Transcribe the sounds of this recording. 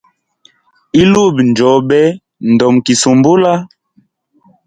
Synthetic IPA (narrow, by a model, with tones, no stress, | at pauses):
i˦lu˦˨bn˨d͡ʒɔ˨˦ɓɛ˦ | n˨dɔ˨mki˨su˨mbo˦la˦